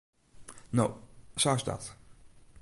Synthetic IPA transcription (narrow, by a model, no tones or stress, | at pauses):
nosasda̰t